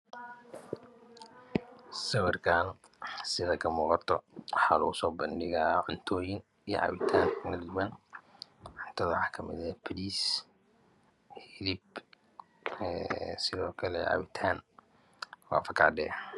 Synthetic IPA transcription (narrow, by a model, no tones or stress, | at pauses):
sɐwɐrkʰaːn | sɪðɐkʰɐmuːqɑt̪ʰɔħɑlusɔːbɐnɖɪɣaʕʊnt̪ʰɔːjɪn | ij̰ʕɑ̰wɪt̪ʰaːŋkʰnɐld̪ʊwɐn | ʕʊnt̪ʰɐðɐħaːkʰɐmɪ̰ðɛpʰɐliːs | hɪlɪb | sɪðɔːkʰɐlɛ̰ʕɑ̰wɪt̪ʰaːn | wɑ̰ːfɐkʰɑʕɖɛ̰ː